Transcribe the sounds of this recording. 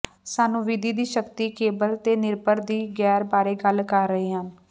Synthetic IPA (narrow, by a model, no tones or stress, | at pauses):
saːnũːʋid̪iːd̪iːʃəkt̪iːkeːbəlt̪eːnɪɾbəɾd̪iːɡɛːɾbaːɾeːɡəlkəɾːəɦeːɦãːn